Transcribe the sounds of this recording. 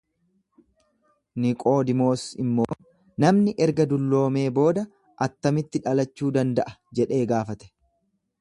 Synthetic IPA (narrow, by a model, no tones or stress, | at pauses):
nɪkʼo̞ːd̪ɪmo̞ːsɪmːo̞ː | nɐmnɪʔɛɾɡɐd̪ʊlːo̞ːme̞ːbo̞ːd̪ɐ | ʔɐt̪ːɐmɪt̪ːɪᶑɐlɐt͡ʃːuːd̪ɐnd̪ɐʔɐ̥d͡ʒɛᶑe̞ːɡaːfɐt̪ɛ̥